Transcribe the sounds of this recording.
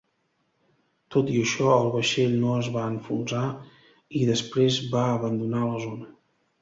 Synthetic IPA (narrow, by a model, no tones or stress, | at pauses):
t̪ot̪iəʃɔəlˠβəʃeʎnoəzβaəɱfunza | iðəspɾezβaəβənd̪unaləzonə